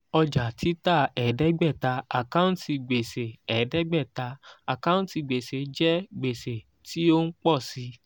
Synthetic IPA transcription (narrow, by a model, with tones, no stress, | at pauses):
ɔ˧d͡ʒa˨tʰi˨˦ta˦˨ɛ˨dɛ˨˦ɡ͡bɛ˦˨ta˧a˨kã˦ũ˦ti˧ɡ͡be˨se˨ɛ˨dɛ˨˦ɡ͡bɛ˦˨ta˧a˨kã˦ũ˦ti˧ɡ͡be˨se˨d͡ʒɛ˦ɡ͡be˨se˨ | ti˦o˦n̩˦k͡pɔ˦˨si˧˦